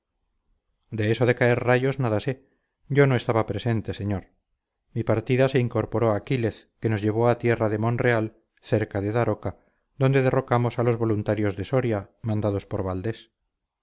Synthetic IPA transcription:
d̪e̞eso̞ðe̞kaeɾraʝo̞znaðase | ɟ͡ʝo̞noe̞st̪aβapɾese̞nt̪e̞se̞ɲoɾ | mipaɾt̪iðase̞iŋko̞ɾpo̞ɾoakile̞θke̞nozʝe̞β̞o̞at̪je̞raðe̞mõ̞nre̞al | θe̞ɾkaðe̞ðaɾoka | d̪ond̪e̞ðero̞kamosalo̞zβo̞lunt̪aɾjo̞zðe̞soɾjamãnd̪að̞o̞spoɾβald̪e̞s

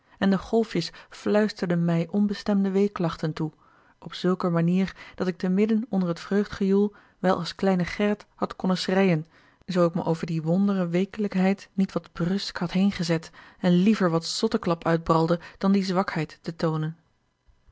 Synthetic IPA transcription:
ɛndəχɔlˠfjəsflœɥstəɹdənmɛjʔɔnbəstɛmdəʋejklɑχtəntu | ʔɔpsɵlˠkəmaniːɹd̥ɑtɪk̚təmɪdənɔndərɦətfrøɥχtχəjulˠ | ʋɛlˠʔɑ̰lˠsklɛjnəχɛɹəthɑtkɔnəsrɛjən | zowɪkmə̰ʔowvəɹdiʋɔndərəʋejkələkɦɛjtnitʋɑdbrɵskhɑtɦejnχəzɛtɛnlivəɹʋɑtsɔtəklɑpœɥd̚brɑlˠdəd̥ɑndizʋɑkhɛjtːətownən

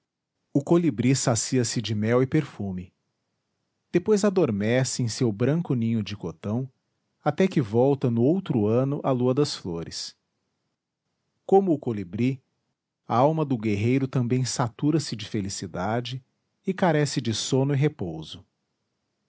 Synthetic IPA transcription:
ʊkolibɾisasiɐsɪd͡ʒɪmɛwɪpeɾfumɪ | d̪̥epojzad̪oɾmɛsɪẽj̃sewbɾɐ̃ŋkʊnĩɲʊd͡ʒɪkot̪ɐ̃w̃ | at̪ɛkɪvɔwt̪ɐnʊowt̪ɾʊɐ̃nʊʔɐluɐd̪ɐsfloɾɪs | kõmʊːkolibɾi | aawmɐd̪ʊɡeɦejɾʊt̪ɐ̃mbẽj̃sat̪uɾɐsɪd͡ʒɪfelisid̪ad͡ʒɪː | kaɾɛsɪd͡ʒɪsõnʊɪɦepowzʊ

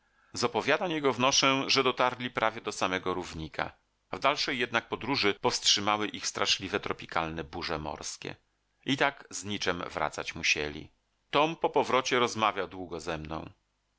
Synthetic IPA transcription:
zɔpɔvʲjad̪amjɛɡɔvnɔʂɛʐɛd̪ɔt̪aɾlʲipɾʔavʲjɛd̪ɔsamɛɡɔɾuvɲikʰa̰ | vd̪alʂɛjːɛd̪̚nak̚pɔd̪ɾuʐɘpɔfstʂɘmawɘʔixst̪ɾʔaʂlʲivɛt̪ɾɔpʲikalnɛbuʐɛmɔ̰ɾskʲɛ̰ | it̪aɡzɲit͡ʂɛmvɾa̰t̪sa̰t͡ɕmuɕɛ̰lʲḭ | t̪ɔmpɔpɔvɾɔt͡ɕɛɾɔzmavʲjawd̪wuɡɔzɛmnɔ̰̃w̃

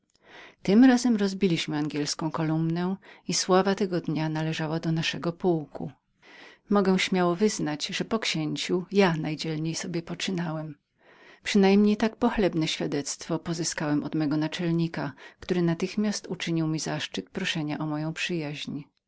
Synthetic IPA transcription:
t̪ɘmɾazɛmɾɔzbʲilʲiɕmɘaŋɡʲɛlskɔ̃w̃kɔlumnɛiswavat̪ɛɡɔd̪ɲanalɛʐawad̪ɔnaʂɛɡɔpuwkṵ | mɔɡɛw̃ɕmʲjawɔvɘznad͡ʑʐɛpɔkɕeɲt͡ɕujanajd͡ʑɛlɲejsɔbʲjɛpɔt͡ʂɘnawɛm | pʂɘnajmɲejt̪ak̚pɔxlɛbnɛɕfʲjad̪ɛt̪st̪fɔpɔzɘskawɛmɔd̪mɛɡɔnat͡ʂɛlɲikakt̪uɾɘnat̪ɘxmʲjast̪ut͡ʂɘɲiwmʲizaʂt͡ʂɘt̪pɾɔʂɛɲaʔɔmɔjɔ̃w̃pʂɘjaʑɲ

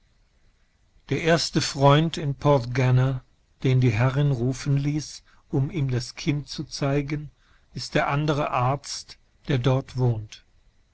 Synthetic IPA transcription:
d̥eːɐʔeːɐstəfʁ̥ɔʏntɪnpʰɔtɡana | d̥eːndiːɦɛʁɪnʁuːfən̩liːs | ʔʊmiːmdaskʰɪntt͡sut͡saɪɡən | ɪst̚d̥eːɐʔandəʁ̞əʔaɐt͡st | d̥eːɐdɔɐtv̥oːnt

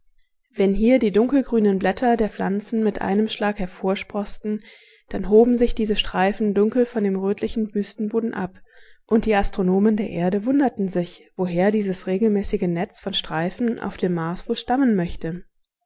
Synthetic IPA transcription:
vɛnɦiːɐdiːdʊŋkl̩ɡʁyːnənblɛtʰɐdeːɐfl̥ant͡sn̩mɪtʔa̰ɪnəmʃlaːkhɛɐfoːɐʃpʁ̥ɔstn̩ | d̥anɦoːbm̩zɪçd̥iːzəʃtʁ̥aɪfn̩dʊŋkl̩fɔndeːmʁøːtʰlɪçn̩byːstn̩boːdn̩ʔa̰pʔʊntd̥iːastʁ̥onoːməndeːɐʔeːɐɾəvʊndɐtn̩zɪçv̥oɦeːɐdiːzəsʁeːɡl̩mɛːsɪɡənɛt͡sfɔnʃtʁ̥aɪfn̩ʔa̰ʊfd̥eːmːaɐsv̥oːlʃtamənmœçtə

